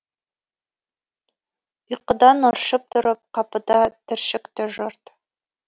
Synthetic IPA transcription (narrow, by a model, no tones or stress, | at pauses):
ʊjqəd̪ɑnɑɾʃɤp̚t̪ʰʊɾəp̚qʰɑpəd̪ɑt̪ʰɪ̆ɾʃɪkt̪ɪʒoɾt̪